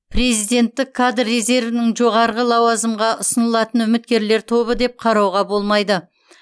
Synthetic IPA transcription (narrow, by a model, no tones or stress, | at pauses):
pre̞zijd̪e̞nt̪ːɪkʰːad̪rːe̞ze̞ɾvɪnɪŋʒo̞ʁɑɾʁəlˠɑwɑzəmʁɑʔʊsənəlˠɑt̪ənʏmɪt̪kʲe̞ɾle̞ɾt̪ʰo̞βəd̪e̞p̚qʰɑɾɑwʁɑbo̞lˠmɑjd̪ə